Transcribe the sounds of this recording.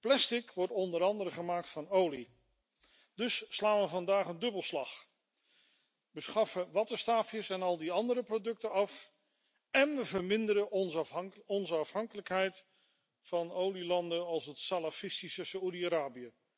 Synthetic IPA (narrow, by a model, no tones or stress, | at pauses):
plɛstɪkʋɔɹtɔndəɾɑndəɾəχəmaːk̚tfɑnowli | dɵsːlaːnʋəvɑndaːχəndɵbəlˠslɑχ | ʋəsχɑfəʋɑtəstaːfjəsɛnɑlˠdiɑndəɾəprodɵk̚təɑf | ɛnʋəvəɹmɪndəɾə | ɔnzəɑfɦɑŋkələkɦɛjt | fɑnowlilɑndənɑlˠsɦətsalafɪstisəsaudiaːɾaːbiə